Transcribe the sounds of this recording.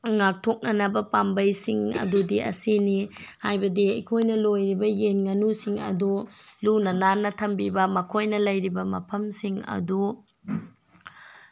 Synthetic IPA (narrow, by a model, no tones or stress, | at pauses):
ŋak̚tʰok̚nɐnɐbɐpambɐjsiŋɐ̰dudiɐ̰sinihajbɐdiɐjkʰojnɐlojɾibɐjenŋɐnusiŋɐ̰dulunɐnanːɐtʰɐmbibɐmɐkʰojnɐlɐjɾibɐmɐ̰pʰɐmsiŋɐ̰du